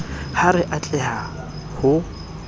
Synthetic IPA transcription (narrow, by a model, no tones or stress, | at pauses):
harɪʔat͡ɬʼɛha | hʊ